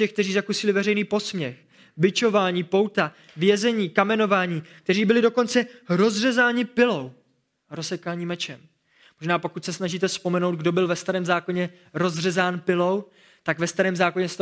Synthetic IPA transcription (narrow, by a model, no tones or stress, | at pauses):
ɛxk̚t̪ɛriːzakusɪlɪvɛrɛjniːpo̞smɲɛx | bɪt͡ʃo̞vaːɲiːpo̞wt̪a | vjɛzɛɲiːkamɛno̞vaːɲiːk̚t̪ɛriːbɪlɪdo̞ko̞nt͡sɛɾo̞zr̝ɛzaːɲɪpɪlo̞w | ɾosɛkaːɲiːmɛt͡ʃɛm | mo̞ʒnaːpo̞kut̪sɛsnaʒiːt̪̬ɛspo̞mɛno̞wd̪̚ɡdo̞bɪlvɛst̪aɾɛːmzaːko̞ɲɛ | ɾo̞zrɛzaːnpɪlo̞w | t̪aɡvɛst̪aɾɛːmzaːko̞ɲɛst̪